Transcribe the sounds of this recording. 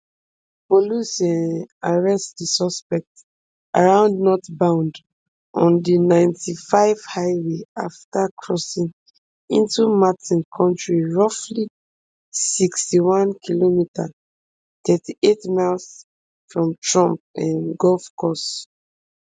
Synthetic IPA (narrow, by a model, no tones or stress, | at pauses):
polusɔ̃naɹɛstdisɔspɛk̚t | a̰ɹãʊ̃ndnɔtbãʊ̃nd | ʔɔ̃ndinãɪ̃ntifaɪv̥haɪweaftakʰɹɔsĩŋ | ĩntumatĩnkʰɔ̃ntɹiɹɔfli | sikstiwãnkʰilomitʰa | tɛtiʔetmals | fɹɔ̃mtɹɔ̃mp̚ãnɡɔlfkɔs